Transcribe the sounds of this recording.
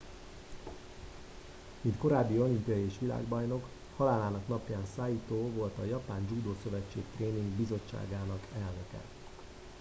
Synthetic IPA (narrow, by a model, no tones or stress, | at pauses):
mint̪ko̞ɾaːbːiolimpjɒjeːʃʋila̰ːɡbɒjno̞k | hɒlaːlaːnɒknɒpjaːnsaːjit̪oːvo̞lt̪ɒjɒpaːnd͡ʒuːd̪oːsø̞vɛt͡ʃːḛːkt̪reːniŋɡbizo̞t͡ʃːa̰ːɡaːnɒkɛlnøkɛ̰